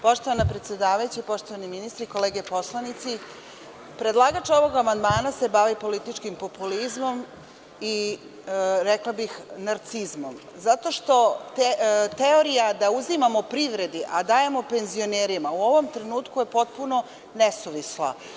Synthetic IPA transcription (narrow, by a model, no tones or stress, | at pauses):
po̞ʃt̪oʋanapɾet̪sʲje̞d̪aːʋajut͡ɕeipo̞ʃt̪o̞ʋaniminist̪ɾiko̞leːɡepo̞slˠanit̪si | pɾe̞d̪lˠaɡat͡ʃo̞ʋo̞ɡamand̪maːnasebaʋipo̞lit̪it͡ʃkimpo̞pulizmo̞m | i | ɾeklˠabixnaɾt̪sizmom | zat̪o̞ʃt̪o̞ | t̪eo̞ɾijad̪auzimamo̞pɾiʋɾe̞d̪iʔad̪aːje̞mope̞nzio̞neːɾimauo̞ʋo̞mt̪ɾenuːt̪kuje̞po̞t̪̚puno̞ | nesuʋislˠa̰